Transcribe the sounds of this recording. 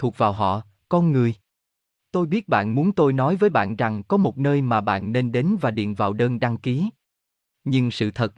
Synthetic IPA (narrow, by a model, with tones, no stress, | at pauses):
t̪ʰu˨˩ək̚vaː˨˩wɦɔ̰˧˨ | kɔ˧nŋɨ˨˩əj | t̪o˧jɓi˦˥ət̚ɓa̰ː˧˨nmu˨˦ənt̪o˧jnɔ˨˦jvəː˨˦jɓa̰ː˧˨nza˨˩ŋkɔ˨˦mo˨˩t̚nəː˧jmaː˨˩ɓa̰ː˧˨nːe˧nɗe˨˦nvaː˨˩ɗḭ˧˨ənvaː˨˩wɗəː˧nɗa˧ŋki˨˦ | ɲɨ˧ŋsɨ̰˧˨t̪ʰə˨˩t̚